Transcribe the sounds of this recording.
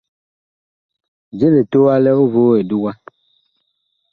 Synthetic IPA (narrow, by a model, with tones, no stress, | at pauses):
d͡ʒe˦le˨t̪o˦a˦lɛ˦wo˦vo˨˦e˨du˦wa˦